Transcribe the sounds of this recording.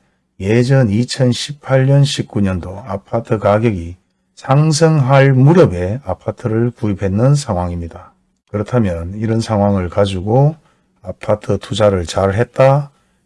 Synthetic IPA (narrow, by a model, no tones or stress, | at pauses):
je̞d͡ʑʌnit͡ɕʰʌnɕʰipʰaɭɲʌnɕʰip̚k͈uɲʌndoapʰatʰɯkaɡjʌɡi | sʰaŋsʰɯŋɦaɭmuɾʌbe̞apʰatʰɯɾɯɭkuipe̞nːɯnsʰaŋɦwaŋimɲida | kɯɾʌtʰamjʌniɾʌnsʰaŋɦwaŋɯɭkad͡ʑuɡo | apʰatʰɯtʰud͡ʑaɾɯɭt͡ɕaɭɦe̞t̚t͈a